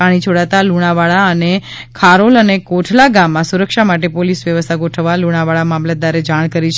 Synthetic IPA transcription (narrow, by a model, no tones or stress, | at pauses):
aɽ̃it͡ʃʰoɽat̪aluɽ̃aʋaɭaəne | kʰaɾolənekoʈʰlaɡamːãsuɾəkʃamaʈepolisʋjəʋəst̪ʰaɡoʈʰəʋaluɽ̃aʋaɭamamlad̪aɾed͡ʒaɽ̃kəɾit͡ʃʰ